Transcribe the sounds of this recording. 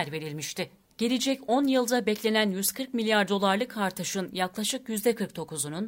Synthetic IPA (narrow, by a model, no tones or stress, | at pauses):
æɾve̞ɾilʲmiʃt̪ʰɪ | ɟ̥e̞lʲid͡ʒɛco̞njɯlˠd̪abɛclʲe̞nænjyzkʰɯɾkmilʲjaɾd̪o̞lˠaɾlˠɯkʰaɾt̪ʰɯʃɯnjaklˠaʃɯkjyzd̪ɛkʰɯɾk̚t̪ʰo̞kuzunun